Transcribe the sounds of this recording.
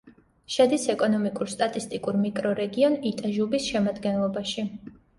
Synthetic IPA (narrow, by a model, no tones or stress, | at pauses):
ʃɛd̪isɛkʼɔnɔmikʼuɾst̪ʼat̪ʼist̪ʼikʼuɾmikʼɾɔɾɛɡiɔnit̪ʼaʒubisʃɛmad̪ɡɛnlˠɔbaʃi